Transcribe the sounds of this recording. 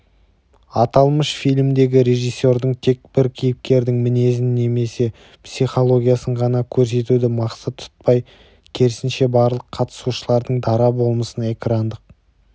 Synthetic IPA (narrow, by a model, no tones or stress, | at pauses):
ɑt̪ɑlˠməʃfijlʲmd̪e̞ɡʲɪɾe̞ʒijsːo̞ɾd̪əɴt̪ʰe̞k̚bɪɾkʲʰijɪp̚kʲe̞ɾd̪ɪŋmɪne̞zɪnːe̞me̞se̞ | psiχo̞lˠo̞ɡʲijasəɴʁɑnɑkʲʰɵɾs̬e̞t̪ud̪ɪmɑqsət̪ʰːʊ̥t̪̚pɑj | kʲʰe̞ɾɪsɪnʃe̞bɑɾlˠəqʰːɑt̪ə̥suʃəlˠɑɾd̪əɴd̪ɑɾɑbo̞lˠməsəne̞kɾɑnd̪əq̚